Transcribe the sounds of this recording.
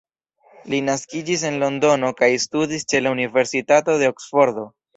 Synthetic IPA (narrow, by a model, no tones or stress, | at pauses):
linaskid͡ʒis̬e̞nlo̞ndo̞no̞kajstudist͡ʃe̞launive̞ɾsitato̞de̞o̞ksfo̞ɾd̪o̞